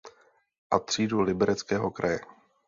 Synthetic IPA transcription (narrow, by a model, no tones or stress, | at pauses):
ʔat̪r̝̥iːdulɪbɛɾɛt͡skɛːɦo̞kɾajɛ